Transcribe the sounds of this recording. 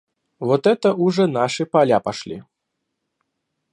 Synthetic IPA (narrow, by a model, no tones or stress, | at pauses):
vɔt̪ɛt̪ɐʔuʐɛnaʂɨpalʲapaʂlʲḭ